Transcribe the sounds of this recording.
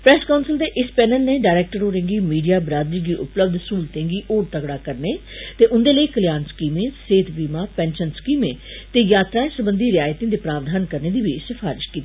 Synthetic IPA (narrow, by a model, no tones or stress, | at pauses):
pɾɛːskaːnsəld̪eːʔɪspɛːnəlneːɖaːɾɛːk̚ʈəɾoːɾẽŋɡiːmiːɖijaːbɾaːd̪ɾiːɡiːʔʊpləb̚d̪suːlt̪ẽːŋɡiːʔoːʈ̚t̪əkɽaːkəɾneːt̪eːʔʊnd̪eːləiːkəljaːnskiːmẽːseːt̪biːmãːpɛ̃ːnʃənskiːmẽː | t̪eːjaːt̪ɾaːẽːsəbənd̪iːɾɪjaːjt̪ĩːd̪eːpɾaːʋd̪ʱaːnkəɾneːd̪iːʋisəpʰaːɾɪʃkiːt̪iiː